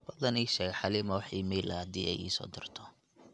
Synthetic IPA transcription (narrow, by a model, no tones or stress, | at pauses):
b̥ɐd̪ɐniːʃɛːɣħɑlɪmɐwħiːmɛːlɐhɐd̪ḭːʔɛ̰jʔḭːsɔ̰ːd̪ɪrt̪ʰɔ